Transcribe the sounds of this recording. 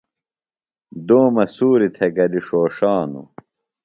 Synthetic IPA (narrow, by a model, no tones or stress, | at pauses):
d̪oːmɐsuːɾit̪ʰɐɡɐliʂoːʂaːnṵ